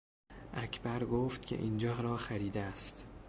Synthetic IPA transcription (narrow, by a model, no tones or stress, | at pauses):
ʔæcʰbæɾɡoːft̪̚cʰe̞̰ʔiːnd͡ʒɒːɾɒːxæɾiːd̪eæst̪